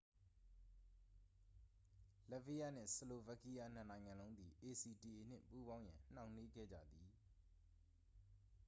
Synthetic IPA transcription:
lɛ˦vi˦ja˦˨n̥ɪ̰̃˦˨səlo˨va˦˨ki˦ja˦n̥ə˦˨nã˨ɪ̃ŋã˨lõ˦ʊ̃nd̪i˨ʔe˨si˨di˨ʔe˨n̥ɪ̰̃˦pu˦bã˦ʊ̃jã˨n̥ã˨ʊ̃ne˦ɡɛ̰˦˨d͡ʑä̰˦˨d̪i˨

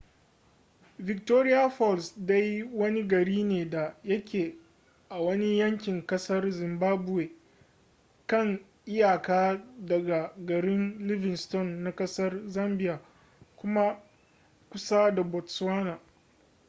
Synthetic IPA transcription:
vɪ˨k̚toː˦ɾɪ˦ja˦ɸɔ˦˨lsda˦ji˦wɐ˦ni˦ɡɐ˨ɾiː˦neː˨da˨jɐ˦kʲʰeː˨ | ʔa˨wɐ˦ni˦jɐ˦ŋkʲɪ˨ŋkɐ˦sɐ˦rzɪ˨mbaː˦bʊ˨weː˨ | kɐ˦˨ŋ | ʔɪ˦jaː˨kaː˦dɐ˨ɡa˨ɡɐ˨ɾɪ˦nlɪ˦vɪ˨nstɔ˦˨nːa˨kɐ˦sɐ˦rzɐ˦mbɪ˦jaː˨ | kʷʊ˦ma˦ | kʷʊ˦sa˦da˨bɔ˨tswaː˦naː˨

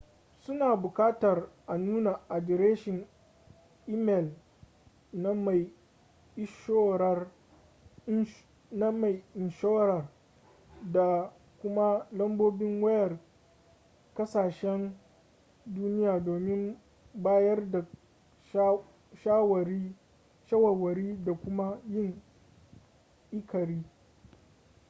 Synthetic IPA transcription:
sʊ˦naː˨bʊ˨kaː˦tɐ˨rʔa˨nuː˦na˨ʔa˨dɪ˨ɾeː˦ʃɪ˨ŋ | ʔiː˦mɛ˨l | na˦ma˨j | ʔɪ˦ʃoː˦ɾɐ˦r | na˦ma˨jɪ˨nʃo˦wɾɐ˨r | da˨ | kʷʊ˦ma˦lɐ˦mboː˦bɪ˦ŋwɐ˦jɐ˨r | kɐ˦saː˨ʃɛ˦n | duː˦nɪ˦jaː˨doː˨mɪ˦m | baː˦jɐ˦rda˨˦ | ʃaː˦wɐ˨ɾi˦ | ʃa˦wɐ˨wɐ˨ɾiː˦da˨kʷʊ˦ma˦jɪ˦ŋ | ʔɪ˦kʰɐ˨ɾiː˦

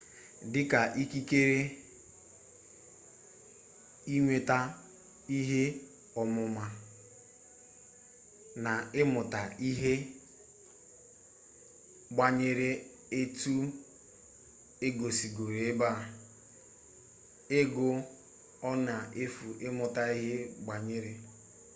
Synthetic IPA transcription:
dɪ˦ka˨ʔi˦ki˦ke˦ɾe˦ | i˦ɲʷe˨ta˦ | i˦ɦe˦ | ɔ˨mʊ˨ma˨ | na˨ɪ˦mʊ˨ta˨i˦ɦe˦ | ɡ͡ba˨ɲe˦ɾe˦ | e˦tu˦ | e˦ɡo˨si˨ɡo˨ɾe˨e˦ba˦˨ | ɪ˦ɡʊ˨ | ɔ˦na˨e˦fu˨ʔɪ˦mʊ˨ta˦i˦ɦe˦ɡ͡ba˨ɲɪ˦ɾe˨

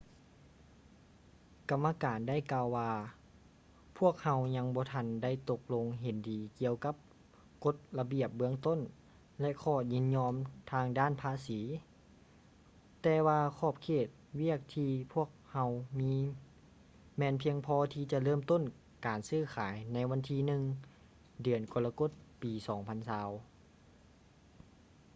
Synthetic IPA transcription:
ka˨˩mːa˧kaː˨˩nda˥˨jkaː˧wːaː˧ | pʰu˥˩ək̚ha˧˥wɲa˧˥ŋbɔː˧˦t̪ʰa˧˥˨nda˥˩jt̪o˧k̚lo˧ŋɦe˨˦ndiː˨˩ki˧˨əwka˧˦˥p̚ | ko˧˥t̪̚la˧bi˧˩əp̚bɯ˧əŋt̪o˥˨n | lɛ˧kʰɔː˧˩ɲi˧˥nɲɔː˧˥mt̪ʰaː˧ŋdaː˥˨npʰaː˧˥˨siː˨˦ | t̪ɛː˧waː˧kʰɔː˧˩p̚kʰeː˧˩t̪̚wi˥˩ək̚t̪ʰiː˧pʰu˥˩ək̚ha˧wmiː˧˥ | mɛː˧˥npʰi˧əŋpʰɔː˧t̪ʰiː˧˩t͡ɕa˧˦ʔlɤː˧˥˨mt̪o˥˨n | kaː˨nsɯː˧˩˨kʰaː˨˩˦jna˧˥jʋa˧˥nt̪ʰiː˧nɯ˧ŋ | dɯ˨˩ənku˧˦la˧ko˧˥˩t̪̚piː˨sɔː˩˦ŋpʰa˧˥nsaː˧˥w

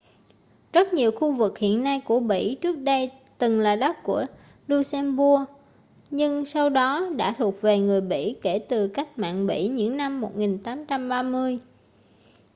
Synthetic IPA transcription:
z̥ə˦˥t̚ɲi˨˩əwxu˧vɨ˨˩k̚hḭ˧˨ənːa˧jku˧˩əɓḭ˧˥t͡ɕɨ˦˥ək̚ɗə˧j | t̪ɨ˨˩ŋlaː˨˩ɗə˦˥k̚ku˧˩ə | lu˧sɛ˧mɓu˧ə | ɲɨ˧ŋsa˧wɗɔ˨˦ɗa̰ː˧˥t̪ʰu˨˩ək̚ve˨˩ŋɨ˨˩əjɓḭ˧˥ke˧˩t̪ɨ˨˩kaː˦˥k̚ma̰ː˧˨nɓḭ˧˥ɲɨ̰˧˥ŋna˧mːo˨˩t̚ŋi˨˩nt̪aː˨˦mt͡ɕa˧mɓaː˧mɨ˧əj

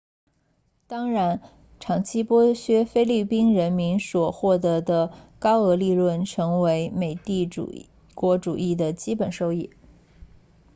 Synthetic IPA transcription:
t̪ɑ˥ŋɻa˧˥n | ʈ͡ʂʰɑ˨˩ŋt͡ɕʰi˥pwɔ˥ɕɥɛ˥fe˥ɪli˥˩pi˥nɻə˧˥nmi˧˥nswɔ˨˩xwɔ˥˩t̪ɤ˧˥d̪ə˧kɑ˥ʊɤ˧˥li˥˧lwə˥˩nʈ͡ʂʰɤ˧˥ŋwe˧˥ɪme˨˩ɪt̪i˥˩ṵ˨˩ | kwɔ˧˥ʈ͡ʂu˨˩i˥˩d̪ə˩t͡ɕi˥pə˨˩nʂo˥˧ʊi˥˩

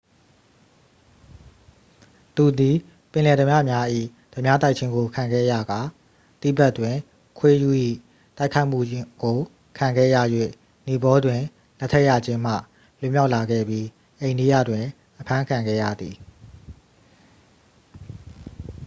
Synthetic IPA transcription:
t̪u˨d̪i˨ | pɪ̃˨lɛ˨d̪ə˨mjä̰˦˨mja˦ʔḭ˦˨ | d̥ə˨mja˦t̪a˦ɪt͡ɕʰɪ̃˦ŋɡo˨kʰã˨ŋɡɛ̰˦˨ja˨ɡa˨ | t̪ḭ˦˨ba˦twɪ̃˨ | kʰwe˦ju˦˨ʔḭ˦˨ | ta˦ɪʔkʰa˦ɪʔm̥ṵ˦˨ɡo˨ | kʰã˨ŋɡɛ̰˦˨jä̰˦˨jwḛ˦˨ | ni˨bɔ˦dwɪ̃˨ | lɛ˦ʔtʰːɛ˦ʔja̰˦˨d͡ʑɪ̃˦m̥ä̰˦˨ | lʊ̃˦˨mja˦ʊʔla˨ɡɛ̰˦˨bji˦ | ʔẽ˨ɪ̃ndi˦˨jä̰˦˨dwɪ̃˨ | ʔəpʰã˦kʰã˨ŋɡɛ̰˦˨jä̰˦˨d̪ði˨

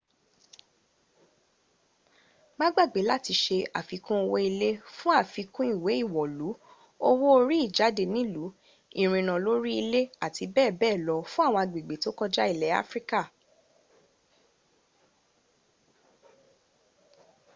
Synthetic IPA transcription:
mã˦ɡ͡ba˦˨ɡ͡be˨˦la˦˨ti˧ʃe˧a˨fi˨˧˦kũ˦o˧wɔ˧i˧le˦fũ˦a˦˨fi˨˧kũ˦i˦˨we˨˦i˦˨wɔ˨lu˨˦ | o˦wo˦o˧ɾi˦i˦˨d͡ʒa˨˦de˧˨nĩ˨˦lu˨˦ | ĩ˦˨ɾ̃ĩ˧nã˨lo˦ɾi˦i˧le˦a˦˨ti˧bɛː˦˨bɛː˦˨lɔ˧fũ˦a˦˨w̃ɔ̃˧a˨ɡ͡be˨ɡ͡be˨to˦kɔ˦d͡ʒa˦i˦˨lɛ˨˦a̰˦fɾi˦ka˦˨

